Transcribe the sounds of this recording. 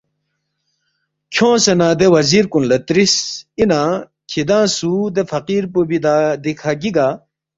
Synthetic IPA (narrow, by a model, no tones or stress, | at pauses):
kʰõːsenãːd̪ewɐziɾkunlɐt̪ɾisinã | kʰid̪ãːsud̪efɐqiːɾpobid̪ad̪ikʰaɡiɡa